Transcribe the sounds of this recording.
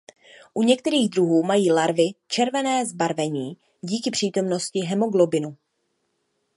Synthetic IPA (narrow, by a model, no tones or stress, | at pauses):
ʔuɲɛk̚t̪ɛɾiːɣd̪ɾuɦuːmajiːlaɾvɪt͡ʃɛɾvɛnɛːzbaɾvɛɲiː | ɟiːkɪpr̥iːt̪o̞mno̞scɪɦɛmo̞ɡlobɪnu